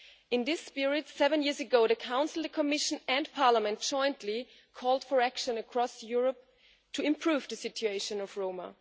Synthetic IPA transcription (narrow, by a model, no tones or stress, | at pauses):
ɨ̃nðɪspɪɹiɨd̥sɛvɨ̃njiɹzɨɡoʊðɨkʰãʊ̃nsl̩ˠðəkʰəmɪʃə̃nɨ̃npʰɑɹləmɨ̃nt̚ʒ̥ɔ̃ɪ̃ntʰli | kʰɔlˠd̥fə˞ækʃɨ̃nɨkʰɹ̥ɔsjʊɹəp̚ | tʰɨɪ̃mpʰɹ̥uvðɨsɪt͡ʃueɪʃɨ̃nʌv̥ɹõʊmə̰